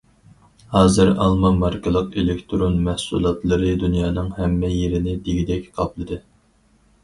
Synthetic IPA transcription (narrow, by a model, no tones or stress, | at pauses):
hɑːzɨɾɑ̰lˠmɑmɑɾkʰəlˠəqelɪkʲt̪ʰɾonmɛhsṵlˠɑt̪lˠɨɾɨd̪unjɑːnɨŋhɛmːɛjeɾɪnɪd̪eɡʲid̪ɛkʲqʰɑplˠɨd̪ɨ